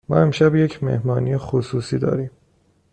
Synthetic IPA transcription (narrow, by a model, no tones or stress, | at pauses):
mɒːe̞mʃæbje̞cʰmḛhmɒːnijexosuːsiːd̪ɒ̰ːɾiːm